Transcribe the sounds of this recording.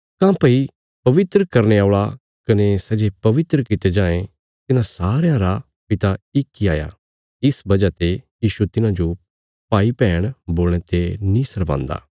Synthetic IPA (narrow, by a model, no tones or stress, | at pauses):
kãːpəi | pɐʋɪt̪ɾəkɐɾneaːɭa | kɐnesɛd͡ʒepɐʋɪt̪ɾəkɪt̪ed͡ʒãːẽ | t̪ɪnãsaːɾejãɾa | pɪt̪aɪkːiaːja̰ː | ɪsbɐd͡ʒat̪ejiːʃut̪ɪnãd͡ʒo | paːipɛːɽ̃boːl̃ẽt̪enĩːsɐɾʋã̰ːnd̪a̰ː